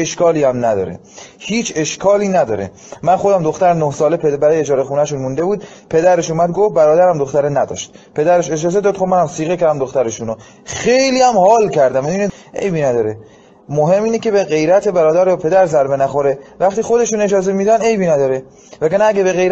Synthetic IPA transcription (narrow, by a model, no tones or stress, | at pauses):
eʃkɒːliːæmnæd̪ɒ̰ːɾḛ | hiːt͡ʃʰe̞ʃkʰɒːliːnæd̪ɒːɾḛ | mænxo̞d̪æmd̪oxt̪æɾnohsɒːlepʰebæɾɒːjeed͡ʒɒːɾexuːnæʃunmund̪e̞buːd̪̚pʰe̞d̪æɾe̞ʃuːmæd̪̚ɡofbæɾɒːd̪æɾæmd̪oxt̪æɾenæd̪ɒ̰ʃt̪̚pʰe̞d̪æɾeʃe̞d͡ʒɒːzed̪ɒːd̪̚xomænæmsiːɣecæɾæmd̪oxt̪æɾeʃuno | xe̞jliːæmhɒːlcʰæɾd̪æmæiːneʔḛjbiːnæd̪ɒːɾe | moɦe̞mːiːnece̞beɣe̞jɾæt̪ʰe̞bæɾɒːd̪æɾjɒpʰe̞d̪æɾzæɾbe̞næxoɾevæxt̪iːxo̞d̪e̞ʃuːne̞d͡ʒɒːze̞mid̪æne̞jbiːnæd̪ɒːɾe | vækænæːɟebeɣe̞jɾ